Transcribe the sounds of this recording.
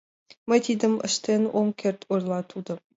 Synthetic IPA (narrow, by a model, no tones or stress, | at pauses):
mət̪id̪ə̆mə̰ʃt̪enomkʲʰert̪ʰurlˠɑt̪ʰud̪ɤ̆